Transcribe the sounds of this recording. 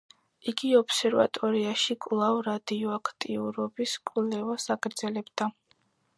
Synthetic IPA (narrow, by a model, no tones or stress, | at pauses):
iɡiɔpʰsɛɾva̰t̪ʼɔɾiaʃikʼlˠavɾad̪iɔakʰt̪ʼiuɾɔbiskʼlɛvasaɡʼɾd̪zɛlɛbd̪a